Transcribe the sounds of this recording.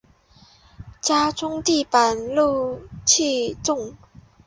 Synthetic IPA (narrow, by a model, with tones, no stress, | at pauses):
t͡ɕja˥t͡sʰʊ˥ŋt̪i˥˧pa˨˩nlu˥˧t͡ɕʰi˥˧t͡sʊ˥˨ŋ